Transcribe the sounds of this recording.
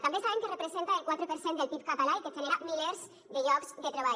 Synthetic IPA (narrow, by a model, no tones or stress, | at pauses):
t̪ambesaβeŋkerepɾezent̪aelkwat̪ɾepeɾsend̪elpip̚kat̪alaiket͡ʃeleɾamileɾz | d̪eʎɔkzd̪et̪ɾeβ̞a